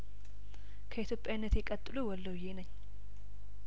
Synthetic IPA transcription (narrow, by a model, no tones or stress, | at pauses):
kʰəit̪ʰjo̞pʼjawnːət̪jɛkʼət̪ʼːɨluwɔlːəwjenəɲː